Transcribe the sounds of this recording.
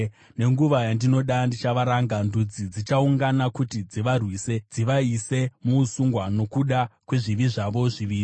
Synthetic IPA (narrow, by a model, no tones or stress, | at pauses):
ne̞ŋɡuʋajandino̞ɗandit͡ʃaʋaɾaŋɡandud͡zid͡zit͡ʃauŋɡanakutid͡ziʋarwiːse̞d͡ziʋaise̞muːsuŋɡwano̞kuɗakwe̞ʐiʋiʐaʋo̞ʐiʋiːri